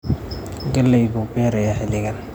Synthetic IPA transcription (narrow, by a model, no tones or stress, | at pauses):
ɡɐlːɛjɡuːbɛːɾɐjaħɪlɪɣɐn